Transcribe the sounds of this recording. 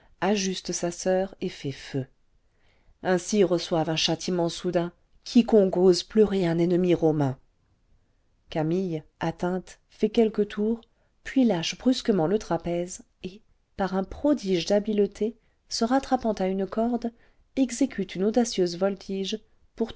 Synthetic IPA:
aʒyst̪əsasœːʁefɛfø | ɛ̃siʁəswavɛ̃ʃat̪ʰimɑ̃sud̪ɛ̃ | kʲʰikɔ̃kozplœʁeɛ̃nɛnəmiʁɔmɛ̃ | kamijat̪ɛ̃t̪ | fɛkʲɛlkət̪ʰuʁ | pɥilaʃbʁyskəmɑ̃lət̪χapɛz | e | paʁɛ̃pχɔd̪iʒd̪abilt̪ʰe | səʁat̪χapɑ̃t̪aynkɔʁd̪ | ɛɡzekʲyt̪ynod̪asjøzvɔlt̪ʰiʒ | puʁ

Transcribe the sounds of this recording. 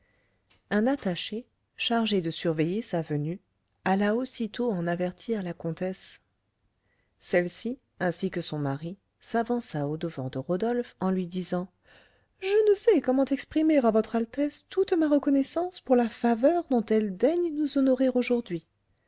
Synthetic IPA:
ɛ̃nat̪aʃe | ʃaʁʒed̪əsyʁvɛjesavəny | alaosit̪oɑ̃navɛʁt̪ʰiʁlakɔ̃t̪ɛs | sɛlsi | ɛ̃sikəsɔ̃maʁi | savɑ̃saod̪əvɑ̰̃ʁd̪əʁod̪ɔlfɑ̃lɥid̪izɑ̃ | ʒənəsɛkɔmɑ̃t̪ɛkspχimeʁavɔt̪χalt̪ɛst̪ut̪maʁəkɔnɛsɑ̃spuʁlafavœʁd̪ɔ̃t̪ɛld̪ɛɲnuzɔnɔʁeʁoʒuʁd̪ɥi

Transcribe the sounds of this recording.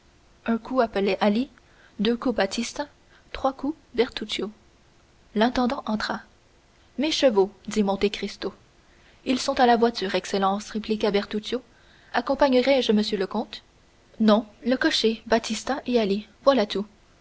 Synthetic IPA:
œ̃kʰuapəlɛʔali | d̪økubat̪ʰist̪ɛ̃ | t̪χwaku | bɛʁt̪ut̪jo | lɛ̃t̪ɑ̃d̪ɑ̃ʔɑ̃t̪χa | meʃəvod̪imɔ̃t̪ekχist̪o | ilsɔ̃t̪alavwat̪yːʁɛkselɑ̃sʁeplikabɛʁt̪ut̪jo | akɔ̃paɲəʁɛʒəməsjøləkɔ̃t̪ | nɔ̃ləkɔʃebat̪ist̪ɛ̃ʔealivwalat̪u

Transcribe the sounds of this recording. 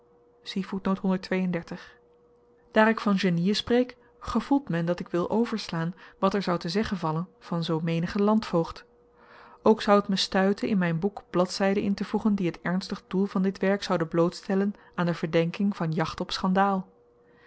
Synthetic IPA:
sivutnowtɦɔndəɹtʋejəndɛɹtəχ | d̥aːɾɪkfɑnʒəniəsprejk | χəv̥ulˠtmɛndɑtɪkʋɪlˠʔowvəɹslaːnʋɑtɛɹzɑwtəzɛχənvɑlənv̥ɑnzowmejnəχəlɑntfowχt | owksɑwətməstœɥtənɪnmɛjnbukb̥lɑtsɛjdənɪntəvuχəndiɦətɛɹnstəχədulˠvɑndɪtʋɛɹksɑwdəblowtstɛlən | aːndəvəɹdɛŋkɪŋv̥ɑnjɑχtɔpsχɑndaːlˠ

